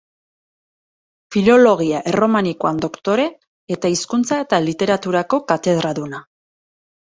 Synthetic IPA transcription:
filo̞lo̞ɣ̞iaʔero̞manikoand̪o̞kt̪o̞ɾe̞ː | t̪aiskunt͡sae̞t̪alit̪e̞ɾat̪uɾako̞kat̪e̞ð̞ɾaðuna

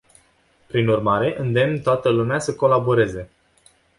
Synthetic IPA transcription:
pɾinurmaɾe̞ʔɨnd̪e̞mnt̪oat̪əlumeasəko̞labo̞ɾe̞ze̞

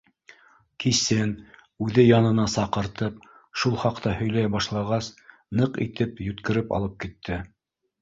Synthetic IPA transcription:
kisɘn | ʉðɘjɑnɤ̆nɑsɑqɤ̆ɾt̪ɤp̚ | ʃulˠχɑqt̪ɑhɵ̆jlæjbɑʃlˠɑʁɑs | nɤqḭt̪ɘpjɵ̆t̪kɘ̆ɾɘpɑ̰lˠɤp̚kit̪ʰːɘ

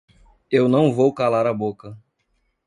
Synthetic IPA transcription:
ewnɐ̃w̃vowkalaɾɐbokɐ

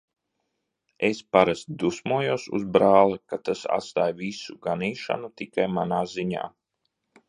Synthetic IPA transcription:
espaɾast̪̚d̪usmuɔjuɔsṵzbɾaːlˠakat̪asa̰t̪st̪aːjvisuɡaniːʃa̰nut̪ikajmanaːziɲa̰ː

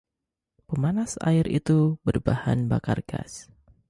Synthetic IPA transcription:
pəmanasa̰ɪɾʔḭt̪ubərbaha̰nbakarɡ̥a̰s

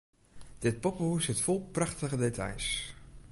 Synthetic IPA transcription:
d̥ɪt̚pɔpəusɪtfɔlˠpraχtəɣədetʰa̰js

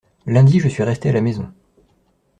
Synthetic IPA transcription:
lɛ̃d̪iʒəsɥiʁɛst̪ealamezɔ̰̃

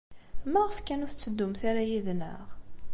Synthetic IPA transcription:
mæʁəfkænʊθt͡sːəd̪ːʊmθaɾajiðnə̰ʁ

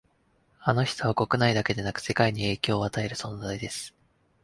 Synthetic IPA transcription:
ano̞çi̥t̪oβako̞kɯ̟naid̪ake̞d̪e̞nakɯ̟̥se̞kaiɲ̟ie̞ːkʲo̞ːat̪ae̞ɾɯ̟sõ̞nd͡zaid̪e̞sɨ̥

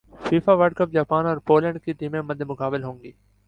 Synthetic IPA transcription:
fiːfaːʋəɾɖkəp̚d͡ʒaːpaːnɔːɾpoːlə̃ɳɖkiːt̪iːmẽːməd̪ʱemʊkaːbɪlɦõːŋɡiː

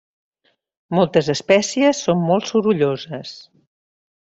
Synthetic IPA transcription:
mɔlˠt̪əzəspɛsiəsːommɔlˠsuɾuʎozəs

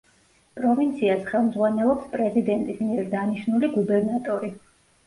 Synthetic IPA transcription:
pʼɾɔvint̪sʰiasχɛlˠmd̪zʁwanɛlˠɔpspʼɾɛzid̪ɛnt̪ʼismiɛɾd̪aniʃnuliɡubɛɾnat̪ʼɔɾi

